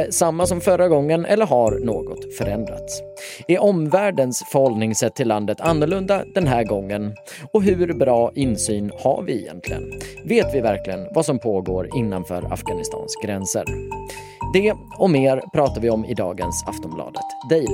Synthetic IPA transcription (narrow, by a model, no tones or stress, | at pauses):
samːasɔmfœɾaɡɔŋːənʔɛ̰lːəɾɦaɾnoːɡɔt̪fœɾɛnd̪ɾat̪s | æɾʔɔmvæːɖənsfœɾhɔld̪nɪŋsɛt̪ʰːɪlːand̪ət̪ʰanːɵɭɵnd̪ad̪̥ɛnɦæːɾɡɔŋːən | ɔɦɵɾbɾɑːʔɪnsyːnha̰ɾvɪɛ̰jɛ̰nt̪ʰlɪɡə̰nveːt̪vɪvæɾklɪɡənvasɔmpʰoːɡo̰ːɾɪnːanfœ̰ːɾa̰fɡanɪst̪ʰɑ̰ːnsɡɾɛnsə̰ɾ | d̪ɛ | ɔmeːɾpʰɾɑːt̪avɪɔmɪ̰d̪ɑ̰ːɡə̰nsa̰ft̪ɔmblɑ̰ːd̪ət̪d̪ɛj